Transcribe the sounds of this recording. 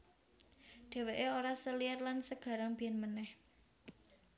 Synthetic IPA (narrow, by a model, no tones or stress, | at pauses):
d̪̥e̤weʔeoɾasəliarlansəɡ̥a̤ɾaŋb̥i̤anmənɛh